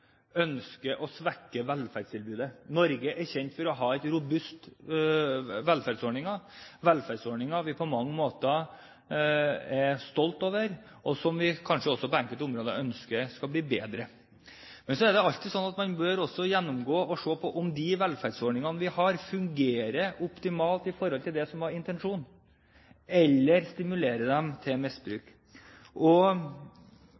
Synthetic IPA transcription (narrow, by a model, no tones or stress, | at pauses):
œnskəʔɔsʋɛkːəʋɛlfæɾɖst̪ʰɪlbʉːd̪ənɔɾɡəʔɛɾçɛnt̪fɔɾɔɦɑːɛɪt̪ɾʊbʉst̪ | ʋɛlfæɾɖsoːɳɪŋɑʋɛlfæɖsoːɳɪŋɑʋɪpʰɔmɑŋːəmoːt̪ə | ɛɾst̪ɔlt̪oːʋəɾ | ʔɔsɔmʋɪkʰɑnʂəɔsːɔpɔæŋkət̪ʊmɾoːd̪ə̰œnskəɾskɑbliːbeːd̪ɾə | mɛnsɔɛɖɛɑlt̪ɪsɔnːɑt̪mɑnbøːɾɔsːɔjɛnːʊmɡoːɔʂoːpʰɔʔɔmd̪ɪʋɛlfæɖsɔɾɳɪŋɑnəʋɪhɑɾfʉŋɡeːɾəʔʊpt̪ɪmɑːlt̪ɪfɔɾhɔlt̪ɪld̪ɛsɔmʋɑɾɪnt̪ɛnʂuːn | ɛlːəɾst̪ɪmʉleːɾəd̪ɛmt̪ʰɪmɪsbɾʉ̰ːk | ʔɔ